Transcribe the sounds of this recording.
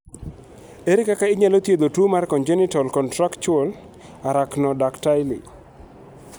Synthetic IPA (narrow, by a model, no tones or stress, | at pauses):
eɾɪkakaɪɲalot̪jed̪otumarkɔnd͡ʒenɪtɔlkɔntɾaktt͡ʃol | aɾaknɔdaktajlḭ